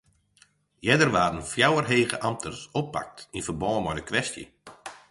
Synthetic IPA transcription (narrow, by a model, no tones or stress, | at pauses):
jɛdərʋaːdən̩fjawərɦeːɣə̰ʔamtʰərsopːa̰k̚tinvərbɔːmɔjdəkʋɛstjə̰